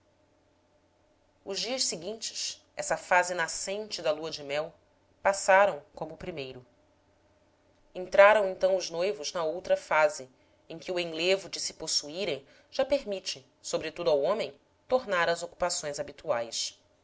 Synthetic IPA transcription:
ʊʒd͡ʒiɐʃsɪɡĩnt͡ʃɪ̥ʃ | ɛsɐfazɪnasẽnt͡ʃɪd̪ɐluɐd͡ʒɪmɛw | pasaɾɐ̃w̃kõmʊpɾimejɾʊ | ẽnt̪ɾaɾɐ̃w̃ẽnt̪ɐ̃w̃ʊznojvʊznɐowt̪ɾɐfazɪ | ẽkʲɪʊẽj̃levʊd͡ʒɪsɪ̥posuiɾẽj̃ | ʒ̥apeɾmit͡ʃɪ | sobɾɪt̪ud̪ʊawõmẽj̃ | t̪oɾnaɾɐzoku̥pasõj̃zabit̪uajs

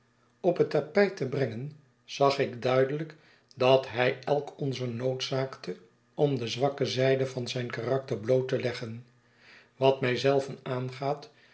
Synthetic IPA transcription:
ɔpətɑpɛjtəbrɛŋən | z̥ɑχɪɡdœɥdələk | dɑtɦɛjʔɛlˠkɔnzənowtsaːktʰə | ɔmdəzʋɑkəzɛjdəvɑnzɛjnkarɑk̚təɹblowtəlɛχən | ʋɑtmɛjzɛlˠvənaːnχaːt

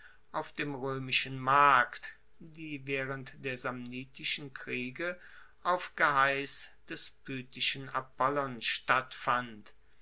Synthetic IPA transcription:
ʔaʊfd̥eːmʁøːmɪʃən̩maɐkt | d̥iːvɛːʁəntd̥eːɐzamniːtɪʃən̩kʁ̥iːɡə | ʔaʊfɡ̥əɦaɪsd̥ɛspyːtɪʃən̩apɔlɔnʃtatfant

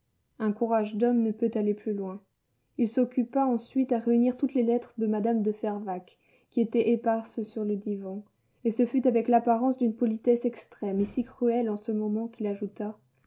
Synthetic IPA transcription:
ɛ̃kuʁaʒd̪ɔmnəpøt̪aleplylwɛ̃ | ilsɔkʲypaɑ̃sɥit̪aʁeyniʁt̪ut̪lelɛt̪χəd̪əmad̪amd̪əfɛʁvak | kʲːiet̪ɛʔepaʁsəsyʁləd̪ivɑ̃ | esəfyt̪avɛklapaʁɑ̃sd̪ynpɔlit̪ɛsɛkst̪χɛmesikχyɛlɑ̃səmɔmɑ̃kilaʒut̪a

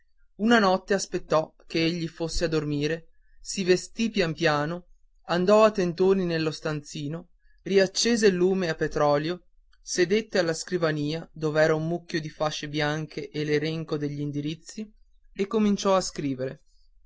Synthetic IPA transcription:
unanɔt̪ːeaspet̪ːɔk̟eeʎːifosːead̪ormiːɾe | sivest̪ipjampjaːno | and̪ɔat̪ːent̪oːninelːost̪ant̪siːno | riat͡ʃːeːzelːuːmeapːet̪ɾɔːljo | sed̪et̪ːealːaskɾivaniːad̪oːveɛːɾaumːukʲːjod̪ifaʃːebjaŋkʰeʔeleɾeŋkod̪eʎːiːnd̪iɾit̪sːi | ekːomint͡ʃɔaskɾiːveɾe

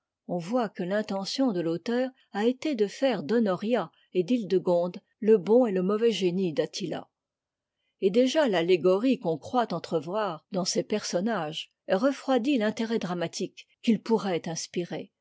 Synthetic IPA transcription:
ɔ̃vwakəlɛ̃t̪ɑ̃sjɔ̃d̪əlot̪œːʁ | aet̪ed̪əfɛʁd̪ɔnɔʁja | ed̪ild̪əɡɔ̃d̪ | ləbɔ̃eləmɔvɛʒenid̪at̪ʰila̰ | ed̪eʒalaleɡɔʁikɔ̃kχwat̪ɑ̃t̪χəvwaʁd̪ɑ̃sepɛʁsɔnaʒ | ʁəfχwad̪ilɛ̃t̪eʁɛd̪ʁamat̪ʰikː | ilpuʁɛt̪ɛ̃spiʁe

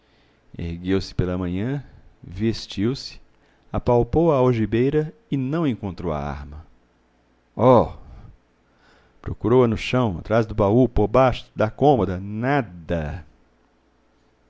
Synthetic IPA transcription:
ḛhɡewsɪ̥pelɐmɐ̃ɲɐ̃vest͡ʃiwsɪ̥ | apawpowɐoʒibejɾɐɪnɐ̃w̃ẽŋkõnt̪ɾowɐ̰a̰ɾmɐ | ɔ | pɾokuɾowɐnʊʃɐ̃w̃a̰t̪ɾazd̪ʊbaupoɾbaʃʊ̥d̪ɐkõmod̪ɐnad̪ɐ

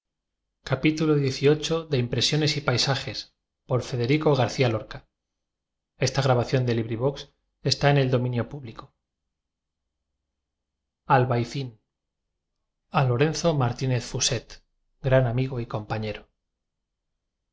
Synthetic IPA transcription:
kapit̪uloðje̞θio̞t͡ʃo̞ðe̞impɾe̞sjo̞ne̞sipajsaxe̞s | po̞ɾfe̞ðe̞ɾiko̞ɣ̞aɾθialo̞ɾka | e̞st̪aɣ̞ɾaβaθjo̞nd̪e̞liβɾiβ̞o̞ks | e̞st̪aene̞ld̪o̞mĩnjo̞puβliko | alβajθin | alo̞ɾe̞nθo̞maɾt̪ine̞θfuse̞t̪ | ɡɾanamiɣ̞o̞iko̞mpaɲe̞ɾo

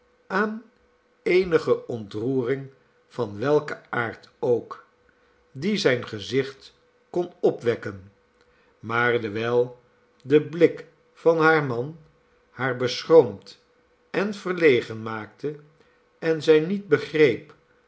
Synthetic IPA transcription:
aːn | ejnəχəʔɔntruːrɪŋ | vɑnʋɛlˠkəaːɹtowk | dizɛjnχəzɪχt | kɔnɔpʋɛkən | maːɹdəʋɛlˠ | dəblɪk | fɑnɦaːɹmɑn | haːɹbəsχroʊmt | ɛnv̥ərlejχənmaːktə | ɛnzɛjnid̚bəχrejp

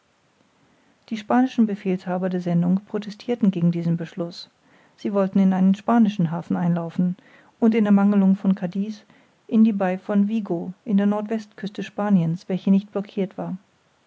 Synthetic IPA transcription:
d̥iːʃpaːnɪʃn̩bəfeːlshaːbɐdeːɐzɛndʊŋpʁ̥otʰɛstʰiːɐtn̩ɡeːɡŋ̩diːzn̩bəʃlʊs | z̥iːvɔltn̩ɪnaɪnənʃpaːnɪʃn̩ɦaːfn̩ʔaɪnlaʊfn̩ | ʔʊntɪndeɐmaŋəlʊŋfɔnkʰadiːs | ʔɪndiːbaɪfɔnviːɡoʔɪndeːɐnɔɐtv̥ɛstkʰʏstəʃpaːnjənsv̥ɛlçənɪçt̚b̥lɔkʰiːɐtv̥aːɐ

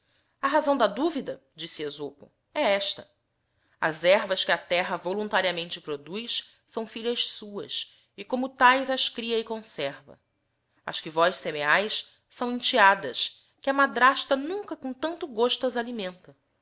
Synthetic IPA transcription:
ɐɦazɐ̃w̃d̪ɐd̪uvid̪ɐd͡ʒisɪezopʊ̰ | ɛɛʃt̪ɐ | ɐ̰zɛɾvɐskɪɐt̪ɛɦɐvolũnt̪aɾiɐmẽnt͡ʃɪpɾod̪ujs | sɐ̃w̃fiʎɐʃsuɐ̰s | ɪkõmʊt̪ajzɐʃkɾiɐɪkõsɛɾvɐ̰ | ɐ̰ʃkɪvɔjʃsemeajs | sɐ̃w̃ẽnt͡ʃiad̪ɐs | kɪɐmad̪ɾaʃt̪ɐnũŋkɐkõt̪ɐ̃nt̪ʊɡoʃt̪uɐzalimẽnt̪ɐ

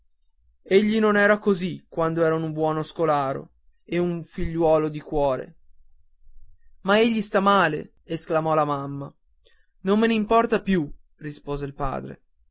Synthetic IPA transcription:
eʎːinonɛːɾakozikwand̪oɛːɾanumbwɔːnoskolaːɾo̰ | euɱfiʎːwɔːlod̪ikwɔːɾḛ | maeʎːist̪amaːlḛ | esklamɔlamamːa | nomːeneimpɔrt̪apju | rispoːzeilpa̰ːd̪ɾḛ

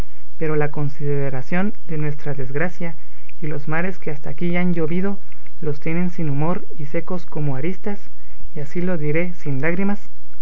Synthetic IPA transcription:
pe̞ɾo̞lako̞nsiðeɾasjo̞nd̪e̞nwe̞st̪ɾaðe̞zɣɾasja | ilo̞zmaɾe̞ske̞ast̪aːkiand͡ʒo̞βiðo̞ | lo̞st̪je̞ne̞nsinumo̞ɾ | ise̞ko̞sko̞moaɾist̪as | iasilo̞ðiɾe̞sinlaɣɾimas

